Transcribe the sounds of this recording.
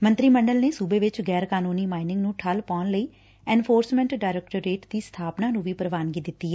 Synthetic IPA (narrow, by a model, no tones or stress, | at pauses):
mə̃nt̪ɾiːməɳɖəlneːsuːbeːʋɪt͡ʃɡɛːɾkaːnuːniːmaːɪnɪ̃ŋɡnũːʈʰəlpɔːnləiː | ɛ̃ːnpʰoːɾsmɛ̃ːɳʈɖaːɾɛːkʈəɾːeːʈd̪iːst̪ʰaːpnaːnũːʋiːpəɾəʋaːnɡiːd̪ɪt̪ːiːɦɛː